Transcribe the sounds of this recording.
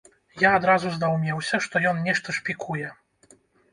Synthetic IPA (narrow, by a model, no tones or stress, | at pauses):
jaːd̪ɾazuzd̪awmʲɛwsʲɐʂt̪ɔjɔnnʲɛʂt̪ɐʂpʲikʰujɛ